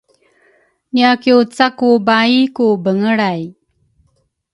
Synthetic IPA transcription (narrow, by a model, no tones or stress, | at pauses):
niakiut͡sakubaikubəŋəɭaj